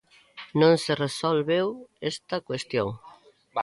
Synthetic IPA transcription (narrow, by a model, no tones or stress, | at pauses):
nõŋseresolβewest̪ɐkwest̪joŋ